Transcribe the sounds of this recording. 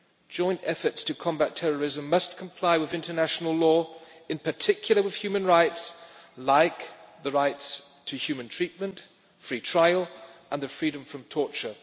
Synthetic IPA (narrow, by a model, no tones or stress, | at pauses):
d̥ʒ̥ɔ̃ɪ̃ntɛfə˞tstʰɨkʰɑ̃mbætʰɛɹə˞ɪzə̃mːʌskʰə̃m̩pʰl̥aɪwɨðɪ̃ntə˞næʃn̩l̩ˠlɔɨ̃npʰə˞tʰɪkʰjl̩ˠəwɨð̥hjʉmə̃nɹaɪtslaɪkðəɹaɪts | tʰɨhjʉmɨ̃ntʰɹ̥it̚mə̃nt | fɹitʰɹ̥aɪəlˠʔə̃nðɨfɹiɾə̃ɱfɹʌ̃mtʰɔɹt͡ʃə˞